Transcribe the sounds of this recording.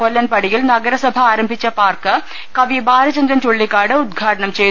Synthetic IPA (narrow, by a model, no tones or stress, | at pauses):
olːɐnpɐɽijɪlnɐɡɐɾɐsɐbʱɐaːɾɐmbʱit͡ʃːɐpaːrkɨ | kɐʋibaːɾɐt͡ɕɐnd̪ɾɐnt̪oɭːikːaːɽɨʊd̪̚ɡʱaːʈɐɳɐmt͡ɕej